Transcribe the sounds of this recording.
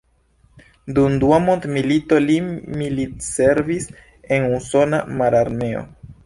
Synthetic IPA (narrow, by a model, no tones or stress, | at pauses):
dumduamont̪milito̞limilitse̞ɾvis | e̞nuso̞namaɾaɾme̞o̞̰